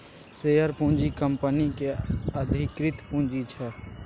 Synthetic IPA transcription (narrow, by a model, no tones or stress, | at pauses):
seːjəɾpũːnd͡ʒikəmpənikeəd̪ʱɪkɾɪt̪pũːnd͡ʒit͡ʃʰɛ